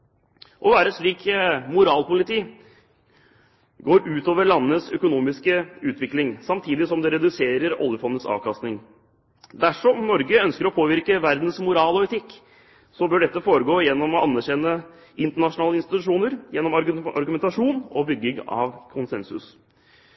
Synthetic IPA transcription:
ʔɔʋæːɾəʂɭiːkmʊɾɑːlpʊlɪt̪ʰiː | ɡoːɾʉːt̪oːʋəɭɑnːəəsœkʊnuːmɪskəʉːt̪ʋɪklɪŋsɑmt̪ʰiːd̪ɪsɔmd̪ɛɾɛd̪ʉseːɾəɾɔ̰ljəfɔnd̪ət̪sɑ̰ːʋkʰɑst̪nɪŋ | d̪æʂɔmnɔɾɡəœnskəɾɔpʰoːʋɪɾkəʋæɾd̪n̩smʊɾɑːlɔɛt̪ʰɪkː | sɔbœɖɛt̪ːəfoːɾəɡoːjɛnːɔmɔʔɑnːæɾɕɛnːə | ɪnt̪əɳɑʂʊnɑːləɪnst̪ɪt̪ʉʂuːnəɾjɛnːɔmɑ̰ɾɡʉmɛnt̪ɑʂuːnɔbʏɡːɪŋɑ̰ʋkʰʊnsɛnsʉ̰s

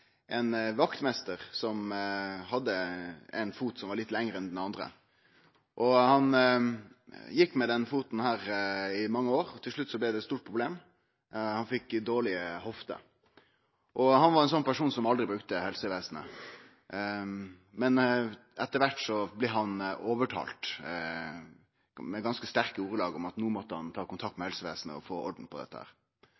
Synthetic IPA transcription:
ʔɛnʋɑkt̪mɛst̪əʁsɔmɦɑd̪ːəɛ̰ɪnfuːt̪sɔmʋɑɾɭɪt̪ːlɛŋɾəɛnd̪ɛnɑnd̪ʁə̰ | ʔɔhɑn | jɪkːmɛd̪ɛnfuːt̪n̩hæːɾɪmɑŋːəoːɾɔt̪ʰɪlʂɭʉt̪ːsɔblɛd̪ɛt̪st̪uːʈ̚pʰʁʊbleːm | hɑnfɪkːd̪oːɭɪəhɔft̪ə̰ | ʔɔhɑnʋɑɾɛnsɔnpæʂuːnsɔmɑld̪ɾɪbɾʉkt̪əhɛlsəʋeːsn̩ə̰ | mɛnɛt̪ːəɾʋæʈsɔblɛɦɑnɔːʋəʈʰɑ̰ːlt̪ | mɛɡɑnskəst̪æɾkəuːʁəlɑːɡɔmɑt̪nuːmɔt̪ːəhɑ̰nt̪ʰɑːkʊnt̪ʰɑk̚t̪mɛhɛlsəʋeːsn̩ə̰ɔ̰foːɔ̰ɖn̩pʰɔd̪ɛ̰t̪ːəhæ̰ːɾ

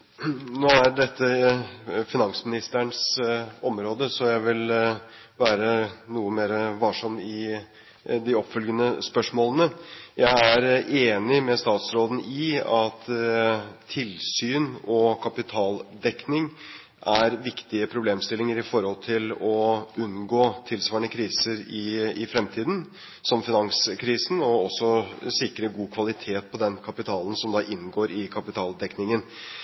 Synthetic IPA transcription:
noːæɖɛt̪ʰːə | fɪnɑŋsmɪnɪst̪əɳsɔmɾoːd̪əsɔjæɪʋɪl | ʋæːɾənuːəmeːɾəʋɑʂɑmːɪ | d̪ɪɔpfœlɡənəspœʂmoːlənəjæɪæɾeːnɪmɛst̪ɑːt̪sɾoːd̪n̩ɪɑt̪ʰ | ɪlsyːnɔkʰɑpɪt̪ʰɑːld̪ɛknɪŋ | ʔæɾʋɪkt̪ɪəpʰɾʊbleːmst̪ɪlɪŋəɾɪfɔɾhɔlt̪ʰɪlɔʉnɡoːt̪ʰɪlsʋɑːɳəkʰɾiːsəɾɪɪfɾɛmt̪ʰiːd̪n̩ | sɔmfɪnɑŋskʰɾiːsn̩ɔɔsːɔsɪkɾəɡuːkʰʋɑlɪt̪ʰeːt̪̚pʰɔd̪ɛnkʰɑpɪt̪ʰɑːlənsɔmd̪ɑːʔɪnɡoːɾɪkʰɑpɪt̪ʰɑːld̪ɛknɪŋən

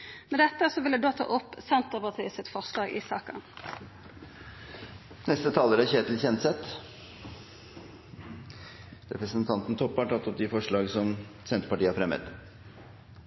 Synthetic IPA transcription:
mɛd̪ɛt̪ːəsɔʋɪld̪ɛd̪oːt̪ʰɑ̰ʔɔpːsɛnt̪əʁpɑʁt̪ʰiːəsɪt̪fɔʁʂlɑːɡɪ̰sɑːkɑ̰n | nɛst̪ət̪ʰɑːləɾæçeːt̪l̩çɛnt̪sɛt̪ | ɾɛ̰pɾəsənt̪ʰɑnt̪n̩t̪ʰɔpːɑʈʰɑt̪ːɔp̚d̪ɪfɔʂɭɑːɡsɔmsɛnt̪ɾəpɑʈiːəæfɾɛmːə̰t̪

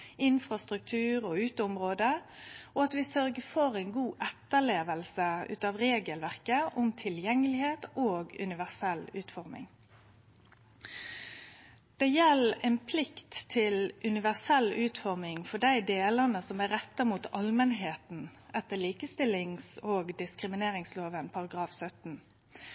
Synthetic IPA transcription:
ɪnfʁɑst̪ɾʉk̚t̪ʰʉːɾɔʉːt̪əʊmʁoːd̪əɔɑt̪ʋɪsœɾɡəfɔɾɛɪnɡuːʔɛt̪ːəɭeːʋəlsəʉ̰ːt̪ɑːʋʁeːɡəlʋæʁkəʔʊmt̪ʰɪljɛŋːəlɪheːt̪oːɡʉ̰nɪʋæʁsɛlʉːt̪fɔɾmɪ̰ŋ | d̪̥ɛjɛlɛnpʰlɪkt̪ʰːɪlʔʉnɪʋæʁsɛlːʉːt̪fɔʁmɪŋfɔɖæɪd̪eːlənəsɔmæɾɛt̪ːəmuːt̪ɑlmənɦeːt̪n̩ʔɛt̪ːəliːkəst̪ɪlːɪŋsoːɡd̪ɪskɾɪmɪneːɾɪŋsloːʋənpʰɑʁɑɡʁɑːfsœt̪n̩

